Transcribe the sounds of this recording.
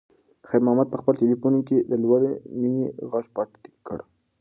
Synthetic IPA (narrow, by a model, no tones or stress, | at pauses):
xajɾmʊhamad̪̚pəxpəltelifunked̪əlwaleminiɣɑʃpɑt̪i̥kːə̰ɽ